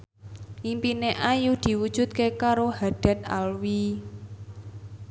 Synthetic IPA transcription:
ʔimpineʔajud̪̥i̤wud̥ʒ̥ṳt̪̚kekaɾohaɖ̥a̤t̪̚a̰lwi

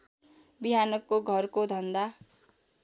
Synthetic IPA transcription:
biɦanʌkːoɡʱʌrkod̪ʱʌnd̪a

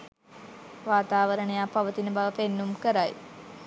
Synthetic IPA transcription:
ʋaːt̪aːʋəɾəɳejapaʋət̪inəbaʋəpenːumkəɾaj

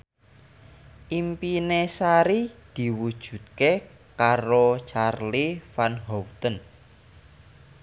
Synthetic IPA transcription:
ʔimpinesaɾid̪̥i̤wud̥ʒ̥ṳt̪̚ke | kaɾot͡ʃarlifanɦɔwt̪ən

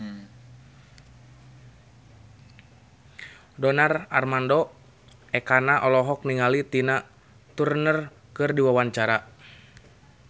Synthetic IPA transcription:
dɔnararmandɔ | ɛkanaʔɔlɔɦɔk̚niŋalit̪ina | t̪urnər | kɨrdiwawaɲt͡ʃaɾa

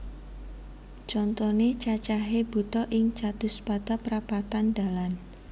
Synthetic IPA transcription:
t͡ʃɔnt̪ɔnet͡ʃat͡ʃaɦeb̥ṳt̪ɔʔɪŋt͡ʃat̪ʊspat̪apəɾapat̪anda̤lan

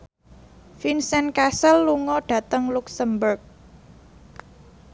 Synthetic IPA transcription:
finsɛnkasəlːuŋɔɖ̥ä̤t̪əŋluksəmbʊrk̚

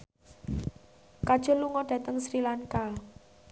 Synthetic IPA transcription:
kad̥ʒ̥ɔ̤luŋɔɖ̥ä̤t̪əŋsɾilaŋkal

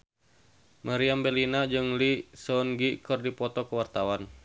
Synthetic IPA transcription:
mʔaɾiambɛlinad͡ʒɨŋlisɔnɡikɨrdipɔt̪ɔkəwart̪awan

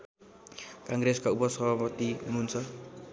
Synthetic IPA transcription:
kaŋɡɾeskaupʌsʌbʱapʌt̪iɦununt͡sʰʌ

